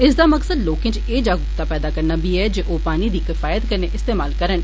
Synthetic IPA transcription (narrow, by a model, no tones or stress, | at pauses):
ɪsd̪aːməksəd̪loːkẽːt͡ʃeːd͡ʒaːɡʊpt̪aːpɛːd̪aːkəɾnaːbiːɛːd͡ʒeːʔoːpaːniːd̪iːkɪfaːjət̪kəɾnẽːʔɪst̪eːmaːlkəɾən